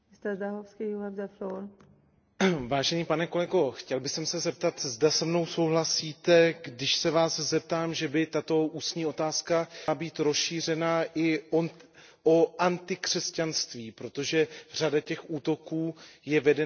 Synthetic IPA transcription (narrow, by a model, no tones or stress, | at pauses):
ɪst̪ɛzd̪aɦofskiuzɛbd̪ɛfloɾ | vaːʒɛniːpanɛko̞lɛɡo̞xcɛlbɪxsɛmsɛzɛp̚t̪at̪zdasɛmno̞wso̞wɦlasiːt̪ɛɡdɪʃsɛvaːszɛp̚t̪aːmʒɛbɪt̪at̪o̞ʔuːsɲiːo̞t̪aːskaabiːt̪ɾo̞sʃiːr̝ɛnaʔɪ | ʔoʔant̪ɪkr̥ɛscanst̪viːpɾo̞t̪o̞ʒɛr̝adacɛxʔuːt̪o̞kuːjɛvɛdɛ